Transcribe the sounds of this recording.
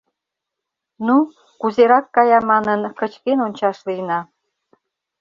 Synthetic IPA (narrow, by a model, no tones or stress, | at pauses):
nu | kuzeɾɑkːɑjɑmɑnənkət͡ɕkenont͡ɕɑʃlijnɑ